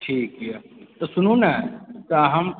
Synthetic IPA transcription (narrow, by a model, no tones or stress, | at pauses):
ʈʰiːkɦiat̪ɐsʊnũnak̪ãːɦɐm